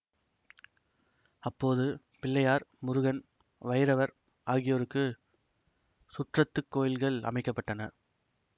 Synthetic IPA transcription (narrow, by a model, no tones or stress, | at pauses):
ɐpːoːðɯ | pɪlːɐjaːɾmʊɾʊɣɐn | ʋɐjɪɾɐʋɐɾ | ʔaːɣɪjoːɾɯkːɯ | sʊʈrɐt̪ːɯkːoːjɪlɣɐɭɐ̰mɐɪkːɐpːɐʈːɐnɐ